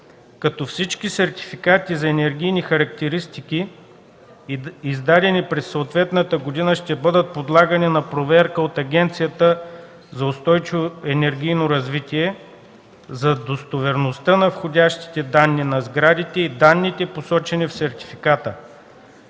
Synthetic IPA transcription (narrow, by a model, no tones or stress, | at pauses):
kɐt̪ɔfsit͡ʃkisɛɾt̪i̥fikat̪izɐɛnɛɾɡʲijnixɐɾɐkt̪ɛɾist̪iki | izd̪ad̪ɛnipɾɛsːoːt̪vɛt̪nət̪əɡod̪inəʃt̪ɛbɤd̪ət̪̚pod̪lˠaɡəninɐpɾovɛɾkəot̪ɐɡʲɛnt̪sijət̪ə | zɐʊst̪ɔjt͡ʃivoɛnɛɾɡʲijnoɾɐzvit̪ʲiɛ | zɐd̪ost̪ovɛɾnost̪ənɐfxodʲaʃt̪i̥t̪ɛd̪anːinɐzɡɾad̪it̪ɛid̪anːit̪ɛposɔt͡ʃɛnifsɛɾt̪ʲi̥fikat̪ə